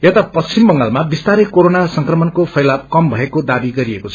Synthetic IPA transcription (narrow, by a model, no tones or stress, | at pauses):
et̪apʌst͡simbʌŋɡalmabist̪aɾekoɾonasʌŋkrʌmʌnkopʰʌjlap̚kʌmbʱʌekod̪abiɡʌɾiekot͡sʰʌ